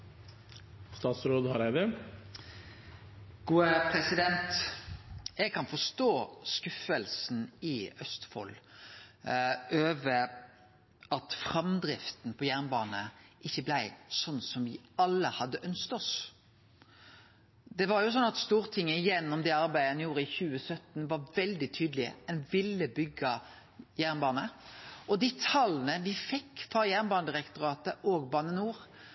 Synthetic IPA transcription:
st̪ɑːt̪sɾoːd̪hɑɾæɪd̪ə | ɡ̥uːəpʰɾɛsɪd̪ɛnt̪ | jɛɡ̚kʰɑnfɔst̪oːskʉfəlsn̩ɪœst̪fɔ̰l | ʔøːʋə | ɑt̪fʁɑmd̪ɾɪft̪n̩pʰɔjæʁnbɑːnəʔɪçːəblæɪsɔnːsɔmʋɪɑlːəhɑd̪ːəʔœnskt̪ɔs | d̪ɛʋɑɾjʊs̬ɔnːɑt̪st̪uːɾt̪ʰɪŋːəɪjɛnːɔmd̪ɛɑɾbæɪɛnjuːɾəɪçʉːəsœt̪nʋɑɾʋɛld̪ɪt̪ʰyːd̪lɪə̰ɛnʋɪlːəbʏɡɑ | jæʁnbɑːnəʔɔd̪iːt̪ʰɑlːnəʋɪfɛkːfɾɑjæʁnbɑːnəd̪ɾɛkt̪ʊɾɑːt̪əʔoːɡbɑːnənuːɾ

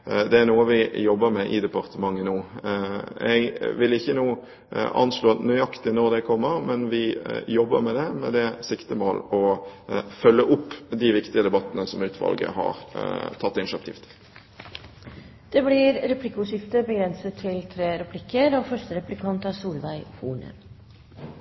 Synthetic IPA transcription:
d̪ɛæɾnuːəʋɪjɔbːəɾmɛʔɪ̰d̪ɛpɑɾt̪əmɑŋːənuː | ɛ̰ɪɡʋɪlɪçːənuː | ʔɑ̰nsloːnœːɑkt̪ɪnɔɾd̪ɛkʰɔmːəɾmɛnʋɪjɔbːəɾmɛd̪ɛmɛ̰d̪ɛsɪkt̪əmoːlɔ | fœlːəʔʊpːd̪ɪʋɪkt̪ɪəd̪ɛbɑt̪ənəsɔmʉːt̪ʰʋɑ̰lɡə̰hɑ̰ɾt̪ʰɑt̪ːɪnʃɑk̚t̪ʰiːft̪ʰɪ̥l | d̪̥ɛblɪɾɾɛpʰlɪkʊʃɪft̪əbəɡɾɛnsət̪ʰːɪlt̪ʰɾeːɾɛpʰlɪkːəɾɔfœʂʈəɾɛplɪkʰɑnt̪ɑsuːlʋæɪhuːɳə̰

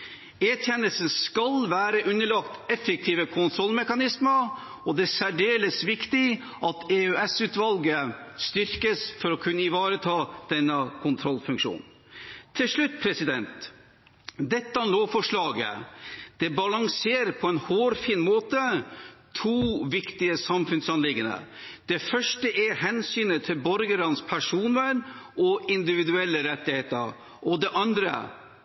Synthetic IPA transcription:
eːt̪ʰjɛnəlsən̩skɑlʋæːɾəʔʉnːəɭɑkt̪ɛfək̚t̪ʰiːʋəkʰʊnt̪ʰɾɔlːmɛkɑnɪsməɾ | ɔd̪ɛsæɖeːləsʋɪkt̪ɪ | ʔɑt̪eøɛsʉːt̪ʋɑlɡə | st̪ʏɾkəsfɔɾɔkʰʉnːəɪʋɑːɾət̪ʰɑːd̪̥ɛnːəkʰʊnt̪ʰɾɔlfʉŋkʂṵːnʰː | ɪlʂɭʉt̪ːpʰɾɛsɪd̪ɛnt̪ | d̪ɛt̪ːəɑnloːfɔʂɭɑːɡə̰d̪̥ɛbɑlɑŋseːɾpʰɔɛnhoːɾfiːnmoːt̪ət̪ʰuːʋɪkt̪ɪəsɑmfʉnsɑnlɪɡːənə̰ | d̪̥ɛfœʂʈəʔɛɦɛnsyːnət̪ʰːɪlbɔɾɡəɾɑnspʰæʂuːnəɾʔɔɪnd̪ɪʋɪd̪ʉɛlːəɾɛt̪ːɪheːt̪əɾ | ʔɔd̪ɛʔɑnd̪ɾə̰

